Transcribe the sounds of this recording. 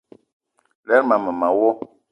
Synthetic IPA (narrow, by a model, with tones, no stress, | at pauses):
lɛ˦ɾmã˨mɛ˨mã˨wo˦